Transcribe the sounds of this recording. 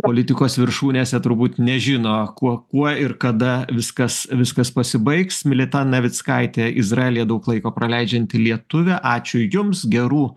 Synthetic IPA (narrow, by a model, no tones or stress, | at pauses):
poːlʲɪt̪ʲɪkoːsʋʲɪɾʃuːnʲeːsʲɛt̪ʊɾbuːt̪nʲɛʒʲɪnoːkuɔkuɔɪɾkɐd̪ɐʋʲɪskɐsʋʲɪskɐspɐsʲɪbɐɪksmʲɪlʲɛt̪ɑnɐʋʲɪt̪skɑɪt̪ʲeːɪzrɑelʲijɛd̪ɐʊklˠɐɪkoːpɾɐlʲɛɪd͡ʒʲɛnʲt̪ʲɪlʲiɛt̪ʊʋʲɛʔɑːt͡ʃʲʊjʊmsɡʲɛɾuː